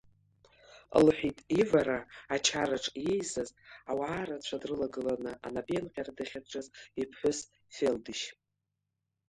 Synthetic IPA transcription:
lħʷᶣitʼivaɾaːt͡ʃʰaɾaʈ͡ʂʼjejzɨzawaːɾat͡ɕʷʰadrɨlaɡɨlanɨʔa̰nabenqʲʼaradaχʲaʈ͡ʂʼazipʰħʷʊs | feldɨʃ

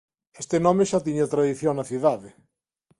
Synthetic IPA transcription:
est̪ɪnɔmeʃat̪iɲat̪ɾaðiθjoŋnɐθiðaðɪ

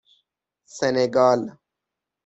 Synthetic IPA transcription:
seneɡaːl

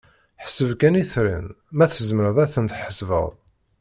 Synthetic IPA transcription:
ħə̥səvkæniθɾḭn | mæθəzməɾəðˤæθənt̪ħəsvə̰ðˤ

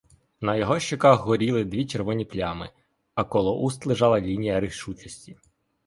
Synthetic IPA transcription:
nɐjɔɦɔʃt͡ʃɪkɑxɦɔɾʲilˠɪd̪ʲʋʲit͡ʃeɾʋɔnʲiplʲamɪ̰ | ɐkɔlˠɔʔust̪lˠɪʒɑlˠɐlʲinʲijɐɾɪʃut͡ʃɔsʲtʲi

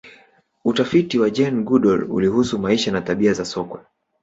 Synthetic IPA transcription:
utafitiwad͡ʒɛnɡuɗɔlṵlihusumaiʃanataɓiazasɔkwɛ̰

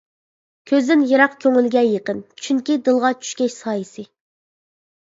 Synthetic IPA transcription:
kʲʰøzd̪ɪnjɑɾɑqkʲʰøŋylɡʲɛjəqənt͡ʃʰyŋkʲid̪ɨlˠʁɑt͡ʃʰy̥ʃkʲɛʃsɑːjisɨ

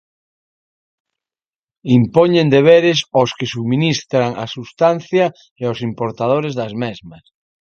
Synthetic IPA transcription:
impoɲẽnd̪eβ̞eɾesoskesuminist̪ɾaŋa̰sust̪anθja | eosimpoɾt̪að̞oɾezðɐzmezmas

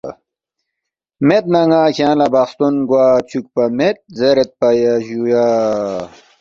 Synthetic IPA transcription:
met̪̚nɐŋaːkʰʲãːnlɐbɐxst̪unɡwaːt͡ɕʰuk̚pɐmet̪̚zeɾet̪̚pɐjaʑuja

